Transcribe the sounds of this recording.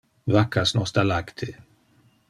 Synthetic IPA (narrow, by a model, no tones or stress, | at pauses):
vakasnɔst̪alakt̪ʰe